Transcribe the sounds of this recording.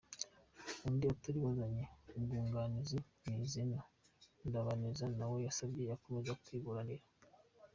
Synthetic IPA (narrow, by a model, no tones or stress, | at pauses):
undiataɾiβazaɲe̞uɡuːŋɡanizinizina | ndaβanizanawo̞jasabɟe̞jako̞me̞zaku̥tiβuɾaniɾa